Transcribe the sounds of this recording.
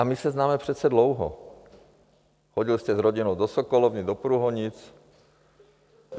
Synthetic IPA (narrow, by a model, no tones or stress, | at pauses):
ʔamisɛznaːmɛpr̝̥ɛt̪t͡sɛdlowɦɔ̰ | hoɟilst̪ɛzɾoɟinowdɔsokɔlɔvnid̪opɾuɦoɲit͡s